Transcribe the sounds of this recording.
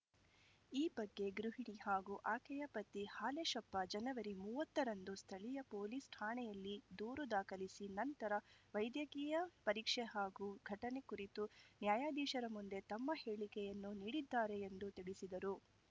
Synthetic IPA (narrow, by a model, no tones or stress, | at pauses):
iːbɐɡːe̞ɡɾuɦiɳihaːɡuʔaːkɛjɐpɐt̪ːihaːleʃɐpːɐd͡ʒɐnɐʋɐɾimuːʋɐt̪ːɐɾɐnd̪ust̪ʰɐɭijɐpoːliːsʈ̪ʰaːɳɛjɐlːid̪uːɾud̪aːkɐlisinɐnt̪ɐɾɐʋɐjd̪jɐkiːjɐpɐɾiːkʂeɦaːɡuɡʱɐʈɐne̞kuɾit̪unjaːjaːd̪iːʃɐɾɐmund̪e̞t̪ɐmːɐheːɭikɛjɐnːuniːɽid̪ːaːɾe̞ːnd̪ut̪iɭisid̪ɐɾu